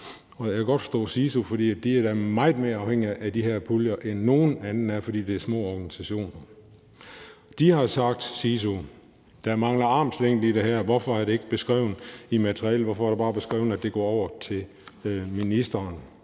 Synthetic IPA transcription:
ɒ̽jækʰæɡ̥ɒ̽d̥fɒ̥sd̥ɔ̰ːsiːsofɒd̥ḭːæd̥iæɐd̥æmɑ̈ɪð̩ˠme̝ːɐɑ̈ʊheŋ̰iʔæd̥iɦæɐ̰pʰuljɐʔenːo̝ːn̩ænn̩æɐfɒdḭːd̥e̝æɐsmɔ̰ːɒːɡ̥ænisæɕo̝̰ːnɐ | d̥ihɑ̈sɑ̈ɡ̥̚d̥siːs̬o | d̥æmɑ̈ŋlɐɑ̈ːmsleŋ̰d̥id̥e̝ɦæɐʋɒfɒ̽æɐɾe̝e̝ɡ̥̚b̥e̝sɡ̥ʁɛʊn̩imæt͡sʰʁiɛ̰ːlʋɒfɒ̽æɐd̥eb̥ɑ̈ːb̥e̝sɡ̥ʁɛ̰ːʊ̰n̩æd̥e̝ɡ̥ɒ̰ːɒʊɐt͡sʰe̝l | minisd̥ɐːn

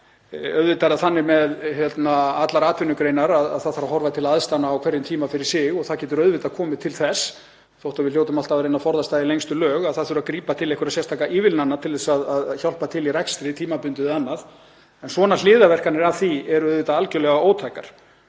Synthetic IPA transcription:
œðvɪt̪aɾaðθanːɪmɛðjɛt̪naat̪laɾaːt̪ʰvɪnːʏkɾeːjnaɾaða̰ðθaðθaɾaɦɔɾvat̪ʰɪlaðst̪anaːwkʰvɛɾðɪmt̪ʰiːmafɪɾɪ̥ɾ̥sɪɣɔɣθaðcɛːt̪ʏɾœðvɪt̪akʰɔːmɪt̪ʰɪlθɛs | θowht̪avɪðljoːwt̪ʏmalt̪avɾejnafɔɾðast̪aːjðɪlejŋst̪ʏlœːɣaðθaðθʏɾakɾiːpat̪ʰɪlɛhkʏɾaðsɛst̪ʰaːkaʔiːvɪlnanːat̪ʰɪlðɛsaðaðçawlpat̪ʰɪliɾɛkst̪ɾɪt̪ʰiːmapʏnt̪ʏðanːað | ɛnsvɔːnal̥ɪːðavɛr̥kanɛɾḁθiɛɾœðvɪːt̪aalcʏlɛɣaoːwt̪ʰaːjka̰ɾ̥

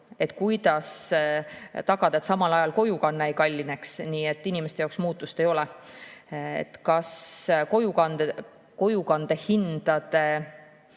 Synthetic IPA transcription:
e̞t̪ːˑkujd̪̥ɑs | t̪ɑɡ̥ɑd̪̥ɑet̪sɑmɑlɑjɑlko̞jukɑnːeejkɑlʲːine̞ksniːe̞t̪ːˑinimest̪e̞jɑːksmuːt̪ːˑust̪e̞jo̞lɛ | ḛt̪kɑsko̞jukɑn | ko̞jukɑnd̪̥e̞hind̪̥ɑd̪̥e̞

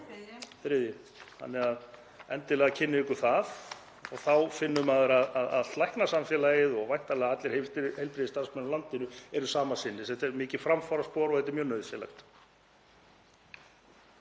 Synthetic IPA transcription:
θɾɪðjɪ | ha̰nːɛɾað | ɛnt̪ɪlɛɣacʰɪnːɪɪkʏɾ̥θað | ɔɣθawfɪnːʏmaðʏɾaðaða̰ðt̪lajhknasamfjɛlajɪðɔɣvajht̪alɛːɣaat̪lɪɾ̥hehejlpɾɪðɪst̪aɾsmɛnlant̪ɪnʏɛɾʏsaːmasɪnːɪθɛt̪ɛɾmɪːcɪfɾamfaɾaspɔːɾɔɣhθɛt̪ɪɾmjœːnœɥðfjɛla̰xt̪

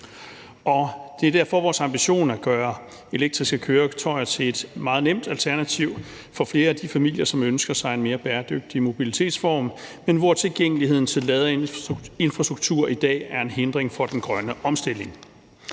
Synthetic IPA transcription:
ʔɒ̽d̥e̝æɐd̥æɐ̰fɒʋɒːsɑ̈mb̥iɕo̝̰ːnæɡ̥ɶːɐ | e̝leɡ̚d̥ʁisɡ̥əkʰøːɐt͡sʰɒ̽ɪɐt͡sʰe̝le̝d̥mɑ̈ːð̞̩ˠnem̰d̥ælt͡sʰæɐnæt͡sʰiʊ̰ | fɒ̽fle̝ːɐæd̥ifæmil̰jɐsɒ̽mønsɡ̥ɐsɑ̈ɪe̝nme̝ːɐb̥æːɐd̥øɡ̥̚d̥imo̝b̥ilit͡sʰe̝̰ːd̥sfɒ̰ːmmenʋɒɐt͡sʰe̝lɡ̥eŋ̰əlihe̝ð̞̰ˠn̩t͡sʰe̝lːɛːð̞ˠɐe̝nfʁɑsd̥ʁuɡ̥̚t͡sʰuɐ̰id̥ɛ̰ːæɐe̝nɦend̥ʁeŋfɒ̽d̥enɡ̥ʁɶnəʔɒ̽msd̥e̝le̝ŋ

